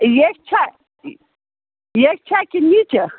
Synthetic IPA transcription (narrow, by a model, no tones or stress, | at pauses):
jek̚t͡ʃʰa | jek̚t͡ʃʰakinit͡ʃə